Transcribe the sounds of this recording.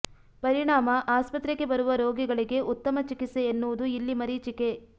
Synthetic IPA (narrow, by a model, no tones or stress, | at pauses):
pɐɾiɳaːmɐʔaːspɐt̪ɾeɡe̞bɐɾuʋɐɾoːɡiɡɐɭiɡe̞ʔut̪ːɐmɐt͡ʃikiseːnːuʋud̪uilːimɐɾiːt͡ʃike̞